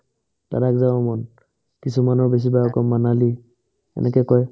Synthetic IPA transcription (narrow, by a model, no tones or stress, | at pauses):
d̥a̰ɾakzawɔmɔn | kisumanɔɹbes̬ibajɔkɔmːanali | ɛ̰nɛkɛkɔj